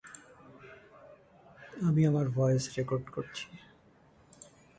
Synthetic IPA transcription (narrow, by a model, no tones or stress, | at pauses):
amiamaɾvɔjesɾekoɾɖkoɾt͡ɕʰi̥